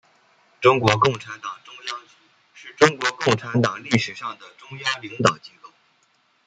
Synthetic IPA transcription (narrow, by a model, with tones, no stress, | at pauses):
ʈ͡ʂʊ˥ŋkwɔ˧˥kʊ˥˩ŋʈ͡ʂʰa˧˥nt̪ɑ˨˩ŋʈ͡ʂʊ˥ŋjɑ˥ŋt͡ɕy˧˥ | ʂɻ̩˥˩ʈ͡ʂʊ˥ŋkwɔ˧˥kʊ˥˩ŋʈ͡ʂʰa˧˥nt̪ɑ˨˩ŋli˥˩ʂɻ̩˨˩ʂɑ˥˩ŋd̪ə˩ʈ͡ʂʊ˥ŋjɑ˥ŋli˧˥ŋt̪ɑ˨˩ʊt͡ɕi˧˥ko˥˩ʊ